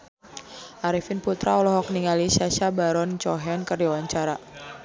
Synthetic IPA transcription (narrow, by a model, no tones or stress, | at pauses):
ʔaɾifinput̪ɾaɔlɔɦɔk̚niŋaliʃaʃabaɾɔnt͡ʃɔɦɛnkərdawaɲt͡ʃaɾa